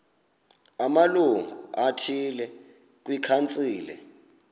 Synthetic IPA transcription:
amaluŋɡʱuuatʰilɛ | k̬ʼwikʰant͡sʼiːlɛ̰

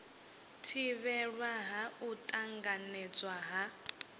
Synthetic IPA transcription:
tʰiβɛɺwaɦautʼaŋɡanɛt͡sʼwaɦa

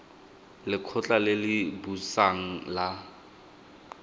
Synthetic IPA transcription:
lɪkʰʊt͡ɬʼalɪlɪbusaŋ̩la

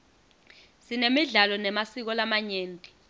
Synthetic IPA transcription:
sinemiɮalɔnɛmasik̬ɔlamaɲeːntʼi̥

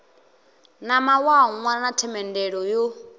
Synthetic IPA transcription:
namawaŋwanatʰɛmɛndɛɺɔjo

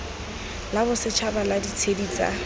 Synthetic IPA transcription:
labʊsɪt͡ʃʰabaladit͡sʰediːt͡sʼa̰

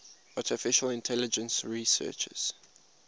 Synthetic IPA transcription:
atʰɪfɪʃəlɪ̃ntʰɛlɪd͡ʒə̃nsɹisɜ̰ːˑt͡ʃə̰z̥

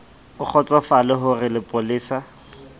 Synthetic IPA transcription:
ʊk͡xʰɔt͡sɔfalɪɦʊrɪlɪpʼʊliːsa

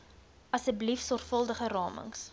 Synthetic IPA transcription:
ɐsəblifsɔrfəlˠdəχərɑːmə̰ŋs

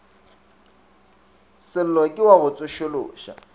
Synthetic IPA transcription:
sɪl̩lɔkʼɪwaɣʊt͡sʼʊʃʊlʊ̰ːʃa̰

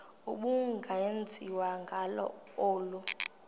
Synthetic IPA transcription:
uɓuŋɡʱajend͡zʱiwaŋɡʱalɔ̰ | oːlu

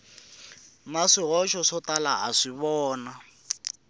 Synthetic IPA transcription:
maʂiɦɔʃɔʂɔtala̰a̰ʂiβɔːna

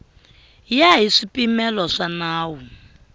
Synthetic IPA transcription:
jaɦiʂipʼimɛlɔʂanaːwu

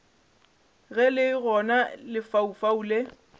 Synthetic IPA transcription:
ɣɛlɪɣɔnalɪfaufaule

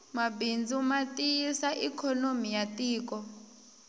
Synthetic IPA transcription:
mabind͡zʱimatʼiisaʔikʰɔnomijatʼiːk̬ʼɔ

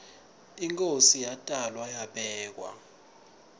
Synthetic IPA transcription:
iŋkʼosijatʼalwajaɓɛːk̬wa̰

